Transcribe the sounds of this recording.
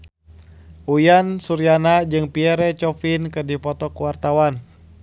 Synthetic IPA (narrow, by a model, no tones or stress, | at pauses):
ujansuɾianad͡ʒɨŋpiɛɾɛt͡ʃɔfinkɨdipɔt̪ɔkuwart̪awan